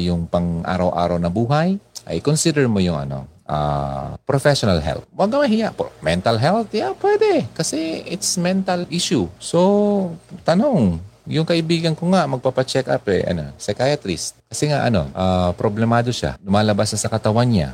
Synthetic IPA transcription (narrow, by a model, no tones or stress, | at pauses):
jʊŋpɐŋʔa̰ːɾɐwʔa̰ːɾɐwnɐbuːɦɐjʔɐ̰jɪkonsid̪ɛɹmojʊŋʔɐ̰no̞̰ʔa̰pɾofɛʃonɐlɦɛ̰lt̪̚waɡɐmɐɦɪjaʔpmɛnt̪ɐlɦɛlt̪̚apwɛd̪ɛkɐsɛʔɪt̪smɛnt̪ɐlʔiʃʊso | t̪ɐnoŋjʊŋkɐʔɪbiːɡɐnkoŋamɐɡ̚papɐt͡ʃɛkʔa̰pɛ̰ʔɐ̰no̰sɛkajat̪ɾɪskɐsɛŋaʔɐno̞̰ʔapɾoblɛmaːd̪oʃa̰lʊmaːlɐbasasɐkɐt̪ɐwanɲa̰